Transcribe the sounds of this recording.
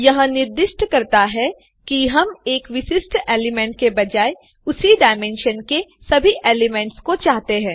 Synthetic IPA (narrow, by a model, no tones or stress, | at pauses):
jɐɦãnɪɾd̪ɪʃʈkɐɾt̪aɦɛ | kiɦɐmeːkʋɪʃɪsʈeːlɪmɛ̃ːɳʈ̚kebɐd͡ʒaːe | ʊsiɖaːɪmẽːnʃənkesɐbʱiʔeːlɪmɛ̃ːɳʈskot͡ʃaːɦt̪eɦɛ̃ː